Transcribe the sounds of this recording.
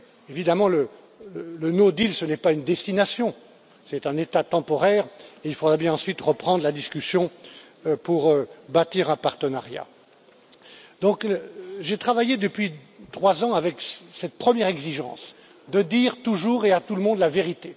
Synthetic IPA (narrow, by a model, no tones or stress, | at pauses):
evid̪amɑ̃lə | ələnod̪ilsənɛpaynd̪ɛst̪inasjɔ̃ | sɛt̪ɛ̃net̪at̪ɑ̃pɔʁɛʁeilfod̪ʁɛbjɛ̃ɑ̃sɥit̪ʁəpχɑ̃d̪ʁlad̪iskʲysjɔ̃ | puʁøbat̪iʁɛ̃paʁt̪ənaʁja̰ | d̪ɔ̃kʒet̪χavajed̪əpɥit̪χwazɑ̃avɛksɛt̪̚pχəmjɛʁɛɡziʒɑ̰̃s | d̪əd̪iʁt̪uʒuːʁeat̪uləmɔ̃d̪laveʁit̪e